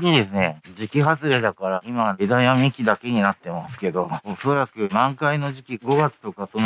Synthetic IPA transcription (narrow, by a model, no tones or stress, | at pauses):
ɲid̪e̞sɨned͡ʑikʲiɦazɨɾe̞d̪akaɾaimaed̪ãĩamʲikʲid̪ake̞ɲ̟inat̪ːe̞masɨ̥ke̞d̪o̞oso̞ɾakɯ̟nãŋkaino̞ʑikʲiɡo̞ɡat͡sɨ̥t̪o̞kat̪on